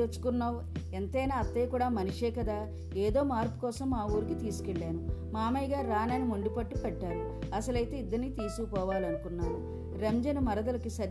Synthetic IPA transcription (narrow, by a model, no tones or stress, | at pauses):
t͡ʃu̥kunːaːw | ent̪ɐjnaːɐt̪ːeːkuːɽaːmɐnuʂeːkɐd̪aː | eːd̪o̞ːmaːɾpu̥kɔːsɐmːaːʋuːɾikit̪iːsu̥keɭːaːnumaːmɐjɡaːɾaːnɐnimoɳɖupɐʈːupɛʈːaːɾu | ɐsɐlɐjt̪e̞ːid̪ːɐɾnːit̪iːsuupɔːʋaːliɐnukunːaːɾu | ɾemd͡ʒɐnumɐɾɐd̪ɐlɐkisɐ